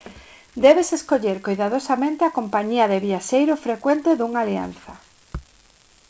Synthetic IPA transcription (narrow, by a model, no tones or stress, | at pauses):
d̪ɛβeseskoʎeɾkojðaðosamẽnt̪eakompaɲiɐðeβiaʃejɾʊfɾekwent̪eðuŋaːlia̰n̟θɐ